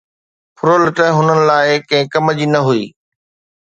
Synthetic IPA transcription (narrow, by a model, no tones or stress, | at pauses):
pʰʊɾolɪʈəɦʊnənɪ̆laːɪkɐ̃ɦɪ̃kɐməd͡ʑiːnɐɦuiː